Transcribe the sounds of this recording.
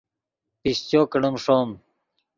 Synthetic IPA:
pist͡ɕoːkəɳumʂoːm

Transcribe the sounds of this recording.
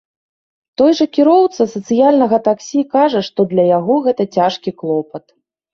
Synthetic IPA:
t̪ɔjʐɐkʲiɾɔwt̪sɐsɐt̪sɨjalʲnɐɣɐt̪aksʲikaʐɐʂt̪ɔd̪lʲɐjaɣɔɣɛt̪ɐt͡sʲaʂkʲiklˠɔpɐt̪

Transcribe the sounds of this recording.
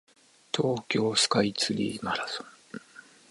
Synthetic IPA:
t̪ʰoːkʲo̞ːsɨ̥kait͡sɨɾʲḭːmaɾasõŋ

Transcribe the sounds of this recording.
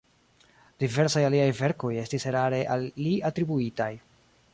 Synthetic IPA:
d̥ive̞ɾsajaliajve̞ɾko̞je̞stiseɾaɾe̞ʔalːiatɾibuitaj

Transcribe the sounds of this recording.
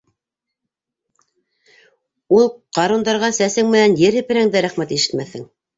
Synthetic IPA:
ulˠqɑɾund̪ɑɾʁɑsæsɘŋmɘ̆nænjɘɾhɘ̆pɘ̆ɾæŋd̪æɾæχmæt̪iʃɘ̥̆t̪mæθhɘŋ

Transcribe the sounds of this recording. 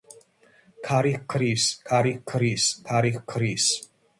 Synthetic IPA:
kʰaɾixkʰɾiskʰaɾixkʰɾiskʰaɾixkʰɾis

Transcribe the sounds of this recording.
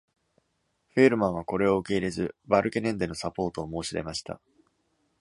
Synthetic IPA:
ɸeːɾɯ̟mãɰ̃ako̞ɾe̞o̞ɯ̟ke̞iɾe̞zɨbaɾɯ̟kenẽ̞nd̪e̞no̞sapo̞ːt̪o̞ːmo̞ːɕiɾe̞̰maɕi̥t̪a̰

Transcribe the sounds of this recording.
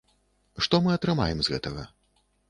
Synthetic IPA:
ʂt̪ɔmɨɐt̪ɾɨma̰jɛmzɣɛt̪ɐɣɐ̰

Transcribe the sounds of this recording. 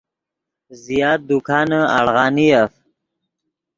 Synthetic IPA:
zijɑːt̪̚d̪ukʰɑnəa̰ɽɣɑnijaf

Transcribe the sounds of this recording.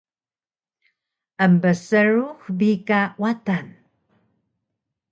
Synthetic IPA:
əmbəsəɻuxbikawatan

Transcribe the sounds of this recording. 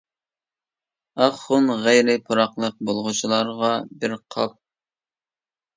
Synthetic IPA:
ɑχːʊnʁɛjɾɪpʰʊɾɑqlˠəq̚bolˠʁʊt͡ʃʰilˠɑɾʁɑbɪɾqʰɑ̰p̚

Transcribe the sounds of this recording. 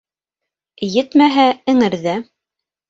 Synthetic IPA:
jɘt̪mæɦæɘ̆ŋɘ̆ɾðæ

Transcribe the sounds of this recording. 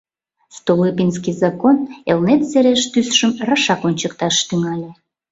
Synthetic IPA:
st̪olɨpinskizɑkonelnet̪seɾeʃt̪ysʃəmrɑʃɑkonʲt͡ɕəkt̪ɑʃt̪yŋɑlʲe

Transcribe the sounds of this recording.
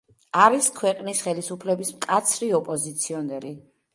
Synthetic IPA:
aɾiskʰwɛqʼnisχɛlisupʰlɛbismkʼat̪sʰɾiɔpʼɔzit̪sʰiɔnɛɾi

